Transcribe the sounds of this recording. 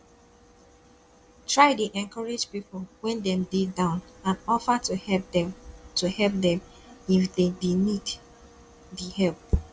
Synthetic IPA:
tʰɹaɪdeʔɛ̃nkʰɔɹed͡ʒpipolwɛ̃ndɛ̃mdedãʊ̃nãnɔfətuɛ | tuhɛlp̚dɛ̃m | ifdedinid | dihɛlp̚

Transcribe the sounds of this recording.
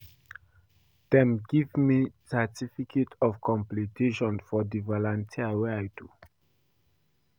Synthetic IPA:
dɛ̃mɡivmisɛtʰifikʰetʰɔvkʰɔ̃mplitʰeʃɔ̃nfɔdivɔlɔ̃ntʰiəwɛajdu

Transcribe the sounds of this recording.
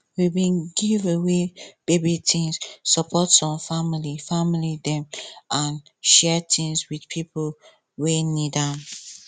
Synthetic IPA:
wibĩnɡiveweb̥ebitĩŋssɔpʰɔtsɔ̃mfamilifamilidɛ̃mʔãn | ʃɛtʰĩŋswidpʰipl | wenidam

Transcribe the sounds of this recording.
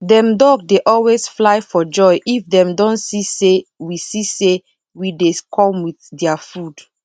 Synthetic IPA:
dɛ̃mdɔɡ̚deʔɔlwesflaɪfɔd͡ʒɔjʔifdɛ̃mdɔ̃nsisewisise | widekʰɔ̃mwiθdɛafud

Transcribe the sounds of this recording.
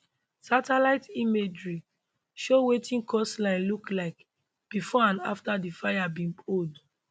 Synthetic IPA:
satɛlaɪtimed͡ʒɹi | ʃowetʰĩnkɔslãɪ̃nluklaɪk | b̥ifɔãna̰ftadifajabĩnpʰod

